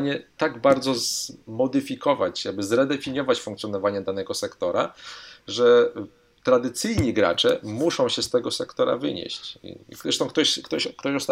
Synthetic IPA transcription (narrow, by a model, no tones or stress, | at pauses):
ɲɛt̪aɡbaɾd̪zɔzmɔd̪ɘfʲikɔvat͡ɕjaɡ̚bɘzɾɛd̪ɛfʲiɲjɔvat͡ɕfuŋkt̪sʲjɔnɔvaɲɛd̪anɛɡɔsɛkt̪ɔɾa̰ʐɛ | t̪ɾad̪ɘt̪sɘjɲiɡɾa̰t͡ʂɛ̰muʂɔ̃w̃ɕɛst̪ɛɡɔsɛkt̪ɔɾa̰vɘ̰ɲḛɕt͡ɕɛʂt̪ɔ̃w̃kt̪ɔɕkt̪ɔɕkt̪ɔɕɔst̪